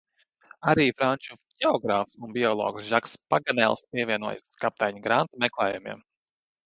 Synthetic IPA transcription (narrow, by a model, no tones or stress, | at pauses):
aɾiːfɾant͡ʃuɟʲɛɔɡɾaːfsunbiɔlˠɔ̰ːksʒakspaɡanɛ̰lˠspʲiɛvʲiɛnuɔj̰skap̚t̪ajɲɡɾant̪umɛklˠɛːjumḭɛm